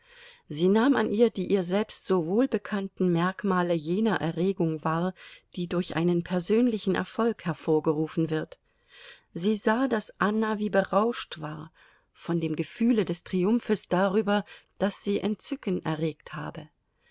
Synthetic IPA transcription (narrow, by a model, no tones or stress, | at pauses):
ziːnaːmanʔiːɐdiːʔiːɐzɛlpstz̥ovoːlbəkʰantn̩mɛɐkmaːləjeːnɐʔɛɐʁeːɡʊŋvaːɐd̥iːdʊɐçʔa̰ɪnənpʰɛɐzøːnlɪçn̩ʔɛ̰ɐfɔlkhɛɐfoːɐɡəʁuːfn̩vɪɐt | z̥iːzaːdasʔanaviːbəʁaʊʃtv̥aːɐ | fɔndeːmɡəfyːlədɛstʁ̥iʊmfəsd̥aːʁyːbɐd̥asz̥iːʔɛntt͡sʏkənʔɛ̰ɐʁeːktha̰ːbə